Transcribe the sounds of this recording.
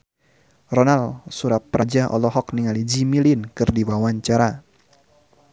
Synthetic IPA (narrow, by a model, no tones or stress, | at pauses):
rɔnalsuɾat̚pːɾʔad͡ʒaʔɔ̰lɔɦɔk̚niŋalid͡ʒimilinkɨrdiwawaɲt͡ʃaɾa